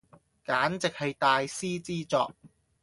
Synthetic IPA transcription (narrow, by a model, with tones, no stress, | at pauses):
kaː˨˥nt͡sɪ˨k̚hɐ˨˧jt̪aː˨˧jsiː˥t͡siː˥t͡sɔː˧k̚